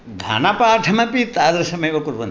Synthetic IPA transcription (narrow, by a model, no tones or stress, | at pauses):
ɡʱa̰ːnɐpaːʈʰɐmɐpit̪aːd̪ɐɾɐsɐmɐjʋɐkuɾʋɐ̰n